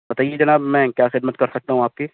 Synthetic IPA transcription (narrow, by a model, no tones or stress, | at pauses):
bɐt̪aːied͡ʒɐnaːbmɛ̃kjaːxɪd̪̚mət̪̚kɐɾsɐk̚t̪aɦũaːp̚ki